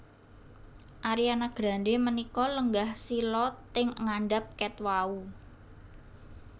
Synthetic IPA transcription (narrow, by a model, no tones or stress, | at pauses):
ʔaɾianaɡ̥ɾa̤ndemənikɔləŋɡahsilɔt̪ːɪŋəŋaɳɖap̚kɛt̪wau